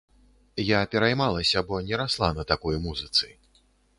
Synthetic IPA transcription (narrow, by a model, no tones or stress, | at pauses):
japʲɛɾajmalˠɐsʲɐbɔnʲɛɾaslˠanɐt̪akɔjmuzɨt̪sɨ